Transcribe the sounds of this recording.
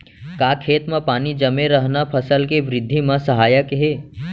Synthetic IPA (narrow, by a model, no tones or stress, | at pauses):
kaːkʰeːt̪mẽpaːnid͡ʒəmẽɾəɦnapʰəsəlkeʋɾɪd̪ʱːimə̃səɦaːjəkɦeː